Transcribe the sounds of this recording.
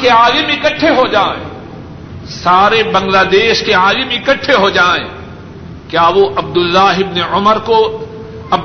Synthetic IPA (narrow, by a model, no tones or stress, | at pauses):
keaːɡemɪkəʈʰːeɦod͡ʒaːḛ̃ | saːɾebɐ̃ŋɡlaːd̪eːʃkeaːɡɪmẽɪkəʈʰːeɦod͡ʒaːḛ̃ː | kjaːʋoʔɐb̚d̪ʊlːaːɦɪbneʊməɾko | ɐ